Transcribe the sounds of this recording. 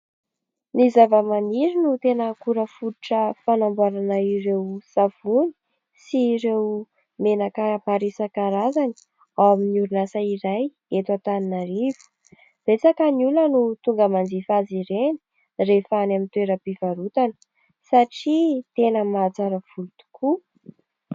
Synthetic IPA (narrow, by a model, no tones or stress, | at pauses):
nizavəmaniɾinut̪enəkuɾəfuuʈ͡ʂəfanambuaɾanaiɾewsav̥uni̥ | siːɾew | menakapaɾisakaɾazani̥ | awaminiuɾunasaiɾaj | et̪wat̪aninaɾiv̥u̥ | b̥et͡sakəniulənut̪uŋɡəmand͡zifaziɾeni̥ | refanamint̪weɾəpivaɾut̪anə̥ | saʈ͡ʂit̪enəmat͡saɾəfulut̪u̥kʰu